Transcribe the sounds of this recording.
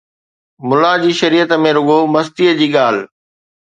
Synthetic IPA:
mʊlad͡ʑiːʃɐɾiːət̪mẽɾʊɠomɐst̪iːəd͡ʑiːɠaːl̤

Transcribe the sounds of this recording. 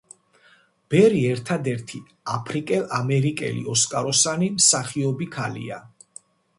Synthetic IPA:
b̥ɛɾiɛɾt̪ʰad̪ɛɾt̪ʰi | apʰɾikʼɛlˠamɛɾikʼɛ̰lḭɔskʼaɾɔsanimsaχiɔbikʰalḭa̰

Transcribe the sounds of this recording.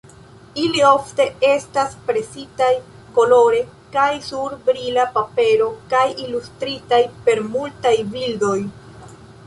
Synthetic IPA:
ilio̞fte̞e̞staspɾe̞sitaj | ko̞lo̞ɾe̞ | kajsuɾbɾilapape̞ɾo̞kajilustɾitajpe̞ɾmultajvildo̞j

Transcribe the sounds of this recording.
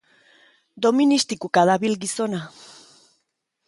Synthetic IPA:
d̪o̞minist̪ikukaðaβilɣiso̞na

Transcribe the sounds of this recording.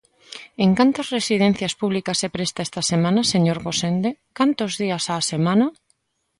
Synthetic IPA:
eŋkant̪ɐsresið̞en̟θjaspuβlikɐsːepɾest̪aest̪ɐsemãnɐseɲoɾɣosend̪ekant̪ozðiasaːsemãnɐ

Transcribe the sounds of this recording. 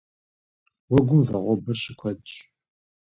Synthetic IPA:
wɔɡʷʊmvɐʁʷɔbɐɕɪkʷʰɐdɕʼ

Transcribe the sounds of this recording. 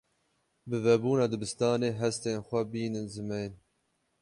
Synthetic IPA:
bɨvɛbuːnɑːd̪ɨbɨst̪ɑːneːɦɛst̪eːnxʷɛbiːnɨnzɨmɛjn

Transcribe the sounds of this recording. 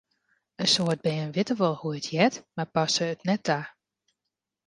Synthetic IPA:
ənsoərd̚bɛːənʋɪtəʋɔlˠhuətʰjɛtmapɑsəːtnɛtʰːa

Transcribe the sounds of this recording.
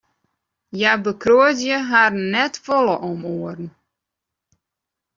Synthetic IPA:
jabəkʰroətjəɦarnnɛtfɔlˠəʔɔmoərn̩

